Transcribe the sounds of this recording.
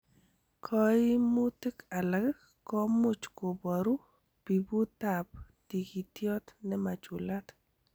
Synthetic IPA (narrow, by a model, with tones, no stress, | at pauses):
kʰɔ˦ɪ˦mu˦ti˦ka˨la˨ɡ | kɔ˦mu˦t͡ʃko˨bɔ˨ɾu˦ | pi˨bu˦ta˨p̚ | ti˨ɡi˨tjɔ˦t̪nɛ˦ma˨t͡ʃu˨la˦t̪